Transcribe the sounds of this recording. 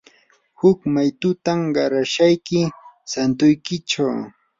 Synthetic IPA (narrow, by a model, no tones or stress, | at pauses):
hʊkmajt̪ʊt̪amɢɑɾaʃajkɪsant̪ʊjkɪt͡ʃaw